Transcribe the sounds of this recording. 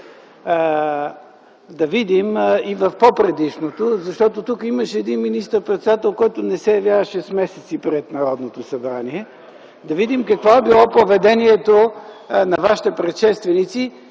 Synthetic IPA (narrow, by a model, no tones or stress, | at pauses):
d̪ɐvid̪imivɐfpopɾɛd̪iʃnot̪ozɐʃt̪ɔt̪ot̪ukəimɐʃɛɛd̪inminist̪əɾpɾɛt̪sɛd̪at̪ɛlˠkɔjt̪ʊnɛsɛjɐvjavəʃɛsmɛsɛt̪sipɾɛt̪nɐɾɔd̪not̪osɐbɾaniɛ | d̪ɐvid̪imkɐkvoɛbilˠɔpovɛd̪ɛniɛt̪o | nɐvaʃi̥t̪ɛpɾɛt̪ʃɛst̪vɛnit̪si